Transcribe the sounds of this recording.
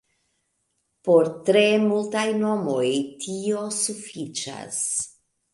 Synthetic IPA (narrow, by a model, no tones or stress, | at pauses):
po̞ɾtɾe̞multajno̞mo̞jtʰio̞sufit͡ʃa̰s